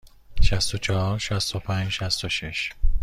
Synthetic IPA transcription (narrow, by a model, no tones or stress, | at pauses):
ʃæst̪ot͡ʃʰɒhɒɾʃæst̪opʰæɲd͡ʒʃæst̪oʃeʃ